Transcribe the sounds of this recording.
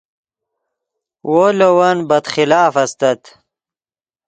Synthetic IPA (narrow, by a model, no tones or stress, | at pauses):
wolowɐnbɐt̪xilaːfɐst̪ɐt̪